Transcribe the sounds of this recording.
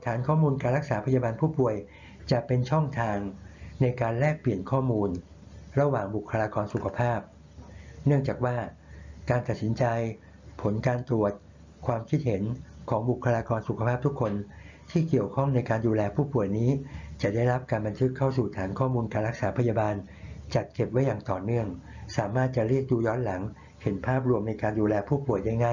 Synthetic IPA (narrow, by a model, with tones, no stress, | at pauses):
t̪ʰaː˩˦nkʰɔː˥˩muː˧nkaː˧nɾa˦˥k̚saː˩˦pʰa˧jaː˧baː˧npʰuː˥˩pu˨˩əj | t͡ɕa˨˩ʔpe˧nt͡ɕʰɔ˥˩ŋt̪ʰaː˧ŋna˧jkaː˧nlɛː˥˩k̚pli˨˩ənkʰɔː˥˩muː˧n | ɾa˧waː˨˩ŋbu˨˩kʰːa˧laː˧kɔː˧nsu˨˩kʰa˧pʰaː˥˩p̚ | nɯ˥˩əŋt͡ɕaː˨˩k̚waː˥˩ | kaː˧nt̪a˨˩t̪̚si˩˦nt͡ɕa˧j | pʰo˩˦nkaː˧nt̪ɾu˨˩ət̪̚ | kʰwaː˧mkʰi˦˥t̪̚he˩˦nkʰɔː˩˦ŋbu˨˩kʰːa˧laː˧kɔː˧nsu˨kʰa˧pʰaː˥˩p̚t̪ʰu˦˥kʰːo˧n | t̪ʰiː˥˩ki˨˩əwkʰɔ˥˩ŋna˧jkaː˧nduː˧lɛː˧pʰuː˥˩pu˨˩əjniː˦˥t͡ɕa˨˩da˥˩jɾa˦˥p̚kaː˧nba˧nt̪ʰɯ˦˥kʰːa˥˩wsuː˨˩t̪ʰaː˩˦nkʰɔː˥˩muː˧nkaː˧nɾa˦˥k̚saː˩˦˥pʰa˧jaː˧baː˧n | t͡ɕa˨˩t̪̚ke˨˩p̚wa˦˥jːaː˨˩ŋt̪ɔː˨˩nɯ˥˩əŋsaː˩˦maː˥˩t̪̚t͡ɕa˨˩ɾi˥˩ək̚duː˧jɔː˦˥nla˩˦ŋ | he˨˩˦npʰaː˥˩p̚ɾu˧əmna˧jkaː˧nduː˧lɛː˧pʰuː˥˩pu˨˩əjda˥˩jŋaː˥˩